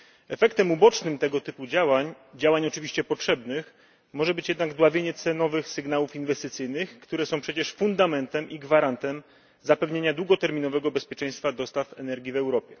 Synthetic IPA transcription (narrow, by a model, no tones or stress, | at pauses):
ɛfɛkt̪ɛmubɔt͡ʂnɘmt̪ɛɡɔt̪ɘpud͡ʑawaɲ | d͡ʑawaɲɔt͡ʂɘvʲiɕt͡ɕɛpɔtʂɛbnɘx | mɔʐɛbɘt͡ɕjɛd̪naɡd̪wavʲjeɲɛt̪sɛnɔvɘxsɘɡnawufinvɛst̪ɘt̪sɘjnɘxkt̪uɾɛsɔ̃w̃pʂɛt͡ɕɛʂfund̪amɛnt̪ɛmʔiɡvaɾant̪ɛm | zapɛvɲeɲad̪wuɡɔt̪ɛɾmʲinɔvɛɡɔbɛspʲjɛt͡ʂɛ̃j̃st̪fad̪ɔst̪afɛnɛɾɡʲivɛwɾɔpʲjɛ